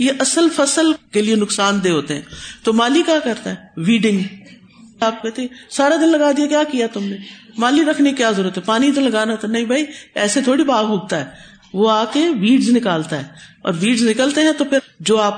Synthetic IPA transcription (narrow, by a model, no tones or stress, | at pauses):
jeʔɐsəlfəsəlkelienʊksaːnd̪eːɦoːt̪eɦɛ̰̃ːt̪oːmaːlikjaːkəɾt̪aɦɛʋiːɖɪ̃ŋɡ | aːp̚kɛːt̪eesaːɾad̪ɪnlɐɡaːd̪iakjaːkijat̪ʊmnemaːliɾɐkʰnekikjaːzəɾuːət̪ɦɛ̃paːnit̪̬olɐɡaːnat̪ʰanɐĩbʱaːiɛːset̪ʰoːɽibaːɡɦuːɡ̚t̪aɦɛː | ʋoaːkeʋiːɖznɪkaːlt̪aɦɛːɔ̰ːɾʋiːɖznɪkəlt̪eɦɛ̃t̪opʰɪd͡ʒoːaːp